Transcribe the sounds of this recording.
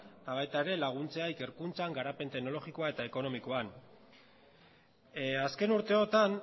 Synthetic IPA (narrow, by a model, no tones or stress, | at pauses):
t̪aβ̞ajt̪ae̞ɾe̞laɣ̞unt͡se̞aike̞ɾkunt͡saŋɡaɾape̞nt̪e̞ɡno̞lo̞ɣiko̞aet̪ae̞ko̞no̞miko̞an | aske̞nuɾt̪e̞o̞t̪an